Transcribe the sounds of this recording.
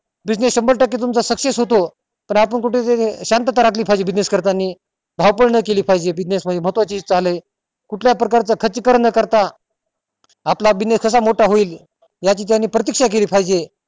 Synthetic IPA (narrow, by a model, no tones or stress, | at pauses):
bid͡ʑnesɕəmbəɭʈəkːit̪̬umt͡sasəkʂesɦot̪o | pəɳapəɳkuʈet̪eɕant̪ət̪aɾakʰliːpʰajd͡ʑebid͡ʑneskəɾt̪anːiː | bʱawpəɽɳəkeliːpʰajd͡ʑebid͡ʑnesməd̪ʱeməɦət̪ːʋat͡ɕiːd͡zt͡saləj | kuʈʰljapɾəkaɾt͡səkʰət͡ɕəkəɾɳəkəɾt̪a | plabineskʰəs̬amoʈaɦoiːl | jat͡ɕiːt̪janːiːpɾət̪ikʂak̬eliːpʰajd͡ʑe